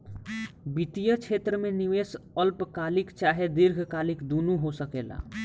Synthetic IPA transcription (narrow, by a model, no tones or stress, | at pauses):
bit̪ijət͡ʃʰet̪ɾəmeniʋesəlpkalikt͡ʃaɦed̪iɾɡʱkalikd̪onuɦosəkela̰